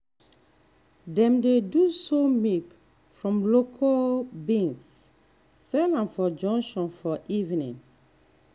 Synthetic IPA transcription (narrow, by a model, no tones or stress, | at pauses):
dɛ̃mdedusomik | fɹɔ̃mlokʰalbĩnsː | ɛlãnfɔd͡ʒɔ̃ŋkʃɔ̃nfɔʔivnḭ̃n